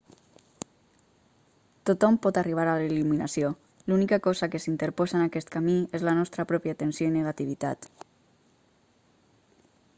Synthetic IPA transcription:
t̪ot̪ɔmpɔt̪ariβ̞aɾaleluminasio | lunikakɔzakesint̪əɾpɔzanakɛst̪kamiezlanɔst̪ɾapɾɔpjat̪ənsioinəɣat̪iβ̞it̪a̰t̪

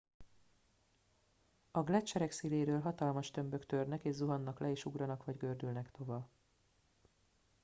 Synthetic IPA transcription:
ɒɡlɛt͡ʃːɛɾɛksileːɾøːlɦɒt̪ɒlmɒʃt̪ø̞mbø̞kt̪ørnɛkeːʒzuɦɒnːɒklʔɛeːʃuɡrɒnɒkʋɒɟɡø̞rd̪ylnɛkt̪o̞vɒ

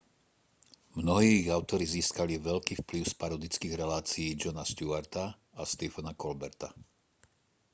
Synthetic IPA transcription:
mnɔɦiːɣaʊt̪ɔɾiziːskaliʋɛʎkiːfpliʊspaɾɔd̪it͡skiːɣɾɛlaːt͡sijːd͡ʒɔnaʃt̪uaɾt̪a | ast̪ɛfɔnakɔlbɛɾt̪a

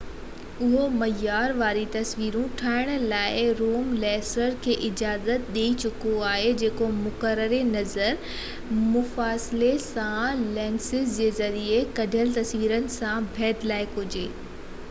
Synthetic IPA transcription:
ʊɦomɐjːaːɾʋaːɾit̪ɐsʋiːɾũʈʰaːɪɽ̃laːɪɾoːmlɛːsəɾkʰeːʔɪd͡ʑaːzət̪̚ɗeːit͡ɕʊkoaːɦed͡ʑeːkomʊkəɾəɾenɐzəɾ | mʊfaːsɪlesãlɛːnsɪzd͡ʑeːzɐɾiekɐɖʱəlt̪ɐsʋiːɾənɪ̆sãbʱɛːd̪laːɪkʊd͡ʑeː

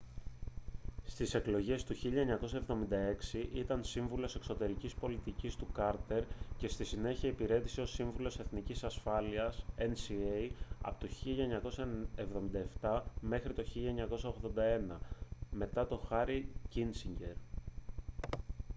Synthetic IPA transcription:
st̪ise̞klo̞ʝe̞st̪uçiʎɐeɲɐko̞sɐe̞vðo̞mind̪ɐe̞ksiʔit̪ɐnsiɱvulo̞se̞kso̞t̪e̞ɾicispo̞lit̪icist̪ukɐɾt̪e̞ɾce̞st̪isine̞çiɐipiɾe̞t̪i̥sio̞siɱvulo̞se̞θnicisɐsfɐliɐsensiejɐ̰pot̪o̞çiʎɐeɲɐko̞sɐevðomind̪ɐe̞ft̪ɐme̞xɾit̪o̞çiʎɐeɲɐko̞sɐoɣðo̞nd̪ɐe̞nɐme̞t̪ɐt̪o̞xɐɾicinsiɲɟe̞ɾ

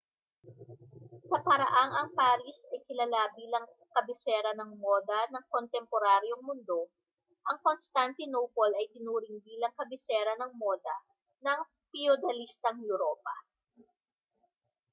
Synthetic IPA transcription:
sɐpɐɾɐʔaŋɐŋpaːɾisɐjkɪlɐlabiːlɐŋ | kɐbɪsɛːɾɐnɐŋmoːd̪ɐnɐŋkont̪ɛmpoɾaːɾjo̞ŋmʊnd̪o̞ | ʔɐŋko̞nst̪ant̪ɪnopolɐjt̪ɪnuːɾɪŋbiːlɐŋkɐbɪsɛːɾɐnɐŋmoːd̪ɐ | nɐŋ | piod̪ɐlist̪ɐŋjuɾoːpɐ

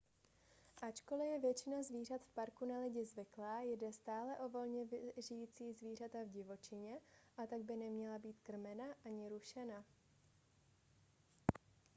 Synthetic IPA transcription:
ʔat͡ʃko̞lɪjɛvjɛt͡ʃɪnazviːr̝at̪fpaɾkunalɪɟɪzvɪklaːjdɛst̪aːlɛʔo̞vo̞lɲɛvʒɪjiːt͡siːzviːr̝at̪avɟɪvo̞t͡ʃɪɲɛʔat̪aɡ̚bɪnɛmɲɛlabiːt̪kr̩mɛnaʔaɲɪɾuʃɛna

